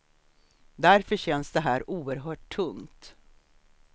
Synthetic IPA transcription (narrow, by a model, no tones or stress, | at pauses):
d̪æɾfœɕɛnsd̪ɛɦæːɾuːəɾɦœːʈʰːɵŋt̪